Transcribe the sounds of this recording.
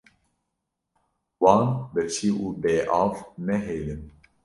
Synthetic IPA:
wɑːnbɛlt͡ʃʰiːʔuːbeːʔɑːvnɛɦeːlɨn

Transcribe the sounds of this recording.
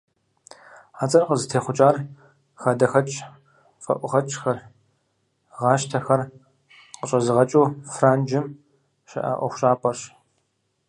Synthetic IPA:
aːt͡sʼɐqəzɨtʰeːχʷʊt͡ʃʼaːr | xɐdɐxɐt͡ʃʼ | fɐ̰ʔʷʊʁɐt͡ʃʰʼxɐr | ʁɑːʃtʰɐxɐr | qəɕʼɐzɨʁɐt͡ʃʼuːfraːnd͡ʒɪm | ʃɐ̰ʔa̰ʔʷɔ̰χʷʊɕʼaːpʼɐrɕ

